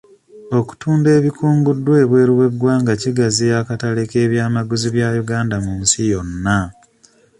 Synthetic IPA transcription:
o̞ku̥tuːnbe̞ːβikʰuːmɡudːwe̞ːβwe̞ːɾiwe̞ɡwaːŋɡaciɡazijakataleke̞ːβjaːmaɡuziβjajuɡaːndamumusijo̞nːa

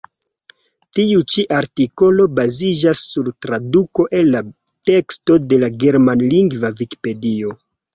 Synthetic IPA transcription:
tiut͡ʃiʔaɾtiko̞lo̞bazid͡ʒasːuɾtɾaduko̞ʔe̞nːa | te̞ksto̞de̞laɡe̞ɾmanliŋɡvaviki̥pe̞dio̞

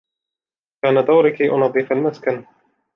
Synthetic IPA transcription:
kaːnad̪awɾɪkiʔʊ̰nɑðˤːɨfalmaskan

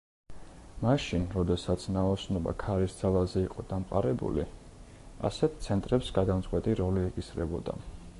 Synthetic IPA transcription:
maʃinɾɔd̪ɛsat̪sʰnaɔsnɔba̰kʰaɾisd̪zalˠazɛiqʼɔd̪̥amqʼa̰ɾɛbṵlḭ | a̰sɛt̪̚ʰt̪sʰɛnt̪ʼɾɛpsɡad̪amt̪sʼqʼwɛt̪ʼiɾɔliɛkʼisɾɛbɔd̪a̰

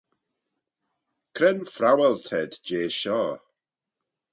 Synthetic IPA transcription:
kʰrɛnfrawɛlˠtʰɛdd͡ʒeːʃɔː

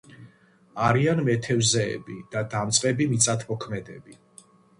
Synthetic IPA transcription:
aɾianmɛt̪ʰɛvzɛ̰ːbid̪̥ad̪amt̪sʼqʼɛbimit̪sʼat̪ʰmɔkʰmɛd̪ɛbi

